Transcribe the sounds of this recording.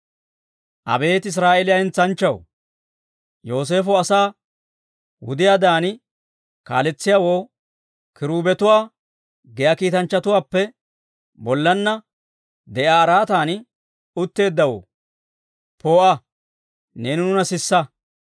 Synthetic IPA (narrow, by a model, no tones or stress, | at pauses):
ʔɐ̰be̞ːt̪ɪs̬ɾaːʔɛlɪjaɐhɪnt͡sːɐnt͡ʃːɐw | jo̞ːs̬e̞ːfɔɐsaː | wʊ̰d̪ɪjaːd̪aːn | ka̰ːlɛt͡sːɪjaːwoː | kɪɾuːbɛt̪ʊwaː | ɡɛjaːkiːt̪ɐnt͡ʃːɐt̪ʊwaːpːɛ | bɔlːɐnːɐ | d̪ɛʔaːɐɾaːt̪aːn | ʊt̪ːe̞ːd̪ːɐwo̰ː | po̞ːʔɐ | neːnʊnʊnɐsɪsːɐ